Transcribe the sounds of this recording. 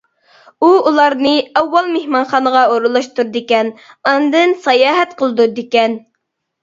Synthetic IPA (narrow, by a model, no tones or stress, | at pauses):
uulˠɑɾnɨɛwːɑlˠmehmɑnχɑnəʁɑoɾulˠɑʃt̪ʰuɾd̪ɪkʲɛnɑnd̪ɨnsɑjɑːɦɛt̪qʰəlˠɨd̪ud̪ekʲɛn